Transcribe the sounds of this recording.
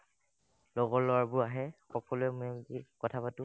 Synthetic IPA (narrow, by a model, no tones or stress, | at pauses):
lɔɡɔɹlɔaɹbʊaɦɛxɔkɔluɛmedikɔtʰapatʊ